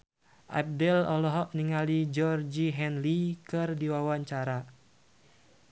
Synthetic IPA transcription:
ʔa̰p̚dɛlɔlɔɦɔʔniŋalid͡ʒɔrd͡ʒiɦɛnlikɨrdiwawaɲt͡ʃaɾa

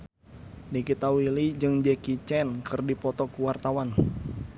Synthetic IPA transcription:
nikit̪awilid͡ʒɨŋd͡ʒɛkit͡ʃɛnkɨrdipɔt̪ɔkuwart̪awan

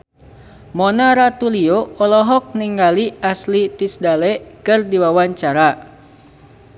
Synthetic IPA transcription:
mɔnaɾat̪ulioɔlɔɦɔk̚niŋɡaliaslit̪isdalɛkɨrdiwawaɲt͡ʃaɾa

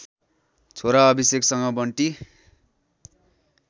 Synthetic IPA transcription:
t͡sʰoɾaʌbiseksʌŋʌbʌɳʈi

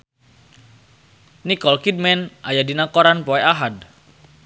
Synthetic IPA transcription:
nikɔlkid̚mɛnʔajadinakoɾanpɔeaɦad̪̚

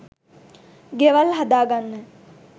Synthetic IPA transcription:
ɡeʋɐlɦad̪aːɡanːə

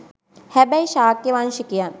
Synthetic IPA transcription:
hɛbɛiʃaːkjeʋanʃikijan

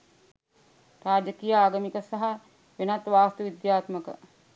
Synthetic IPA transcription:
raːd͡ʒəkijaaːɡɐmikəsaɦa | ʋenat̪ʋaːst̪uʋid̪jaːt̪məkə̰

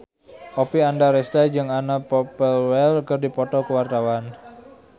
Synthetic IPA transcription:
ʔɔpiandaɾest̪ad͡ʒɨŋanapɔpəlwɛlkərdipɔt̪ɔkəwart̪awan

